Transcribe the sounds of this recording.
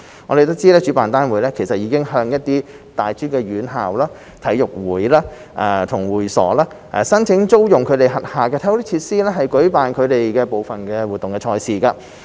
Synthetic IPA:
ŋɔ̰ː˨˧e˨jt̪o˥wt͡siː˥lɛː˥t͡ʃyː˨˥paː˨nt̪aː˥nwuː˨˥jlɛː˥kʰe˨˩sɐ˨t̚jiː˨˧kɪ˥ŋɦœː˧ŋjɐ˥t̚t̪iː˥ | t̪aː˨jt͡syː˥kɛː˧ɥyː˨˥nɦa̰ː˨wlaː˥ | t̪ʰɐ˨˥jʊ˨k̚wuː˨˩jlaː˥ | ʔa̰ː˧t̪ʰʊ˨˩ŋwuː˨˩jsɔ̰ː˨˩laː˥ | ʔɛ̰˨sɐ˥nt͡sʰɪ˨˥ŋt͡so˥wjʊ˨ŋkʰɵ˨˧ɥt̪e˨jɦɐ˨˩t̚haː˨kɛː˧t̪ʰɛː˥wt̪i˥t͡sʰiː˧t̚siː˥lɛː˥ɦɐ˨jkɵ˨˥ɥpaː˨nkʰɵ˨˧ɥt̪e˨jkɛː˧po˨wfɐ˨nkɛː˧wu˨t̪̚ːʊ˨ŋkɛː˧t͡ʃʰɔː˧jsiː˨kaː˧

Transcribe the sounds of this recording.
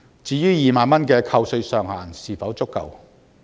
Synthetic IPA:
t͡siː˨˥jyː˥jiː˨maː˨˧nmɐ˥nkɛː˧kʰɐ˧wsɵ˧ɥsœː˨ŋhaː˨˩nsiː˨fɐ˨˥wt͡sʊ˥kːɐ̰˨w

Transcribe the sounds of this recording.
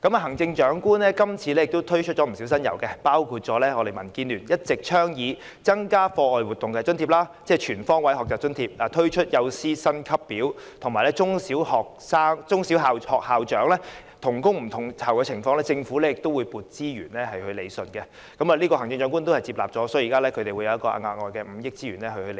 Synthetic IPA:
kɐ˨˥maː˨˩ɦɐ˨˩ŋt͡sɪ˧ŋt͡ʃœː˨˥ŋkuː˥nlɛː˥kɐ˥mt͡sʰiː˧lɛː˥jɪ˨k̚t̪o˥wt̪ʰɵ˥ɥt͡ʃʰɵ˥t̚t͡ʃɔː˨˥m̩˨˩si˨˥wsɐ˥njɐ̰˨˩wkɛ˧paː˥wkʰuː˧t̚t͡ʃɔː˨˥lɛː˥ŋɔː˨˧e˨jmɐ˨˩nkiː˧nlyː˨˩njɐ˥t̚t͡sɪ˨k̚t͡ʃʰœː˥ŋjiː˨˧ | t͡sɐ˥ŋkaː˥fɔː˧ɔː˨jwuː˨˩t̪ːʊ˨ŋkɛː˧t͡sɵ˥nt̪ʰiː˨˧p̚laː˥t͡sɛː˥t͡ʃʰyː˨˩nfɔː˥ŋwɐ˨˥jɦɔː˨k̚t͡saː˨p̚t͡ʃɵ˥nt̪ʰiː˧p̚laː˨˩t̪ʰɵ˥ɥt͡ʃʰɵ˥t̚jɐ˨˧wsiː˥sɐ˥nkʰɐ˥pːiː˨˥w | t̪ʰʊ˨˩ŋmaː˨˩jlɛ˥t͡sʊ˥ŋsiː˨˥whɔː˨˩k̚saː˥ŋt͡sʊ˥ŋsi˨˥wɦaː˨whɔː˨k̚haː˨wt͡ʃœː˨˥ŋlɛː˥ | t̪ʰʊ˨˩ŋkʊ˥ŋm̩˨˩t̪ʰʊ˨˩ŋt̪ʰɐ˨˩wkɛː˧t͡sʰɪ˨˩ŋfɔː˧ŋlɛː˥t͡sɪ˧ŋfuː˨˥lɛː˥jɪ˨kt̪o˥wuː˨˧jpuː˨t̚t͡siː˥jyː˨˩nlɛː˥hɐ˨jhɵ˧ɥle˨˧jsɵ˨˧nkɛ˧ | kɐ˧˥maː˨˧liː˥kɔː˧ɦɐ˨˩ŋt͡sɪ˧ŋt͡ʃœː˨˧˥ŋkuː˥nt̪o˥whɐ˨jt͡siː˧p̚la̰ː˨p̚t͡ʃɔː˨˥sɔː˨˥ji˨kaː˥lɛː˥kʰɵ˨˧t̪e˨jwu˨˧jɐ˨˧jɐ˥kɔː˧a̰ː˧ŋaː˨˧k̚ŋɔː˨jkɛː˧m̩˨˩jɪ˥k̚t͡siː˥ɥy̰ː˨˩nlɛː˦˥hɵ˧hɵ˧l

